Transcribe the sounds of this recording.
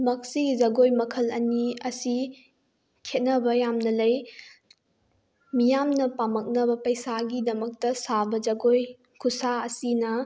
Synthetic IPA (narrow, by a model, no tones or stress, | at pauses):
mɐk̚siɡizɐɡojmɐkʰɐlɐniɐsi | kʰet̚nɐbɐjamnɐlɐj | mijamnɐpamɐk̚nɐbɐpɐjsaɡidɐmɐk̚tɐsabɐd͡ʒɐɡoj | kʰusaɐsinɐ